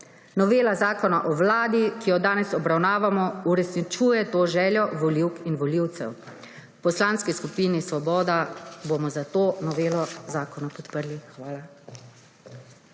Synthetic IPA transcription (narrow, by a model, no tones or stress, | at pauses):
nɔʋeːlazaːkɔnaʔɔwlaːd̪ikijɔd̪aːnɛsɔbɾawnaːʋamɔuɾɛsnit͡ʃuːjɛt̪oːʒɛːljɔʋɔliwkinʋɔliwt̪sɛ̰w | pɔslanskiskupinisʋɔbɔːd̪abomɔzat̪oːnɔʋeːlɔzaːkɔnapɔt̪pəɾlixʋaːla